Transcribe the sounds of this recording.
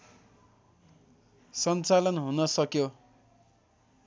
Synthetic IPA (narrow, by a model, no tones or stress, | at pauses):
sʌnt͡salʌnɦunʌsʌkjo